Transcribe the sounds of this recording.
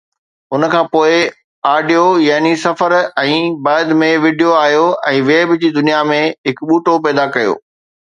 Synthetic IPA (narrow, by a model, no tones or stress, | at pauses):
ʊnə̆kʰãːpoːɪ | aːɖijojaɦnisɐfəɾɛ̃ːbaːɪd̪mẽʋiːɖijoaːɦijoɛ̃ːʋeːbd͡ʑiːd̪ʊnijamẽɦɪkɓuːʈopɛːd̪akɐjo̰ː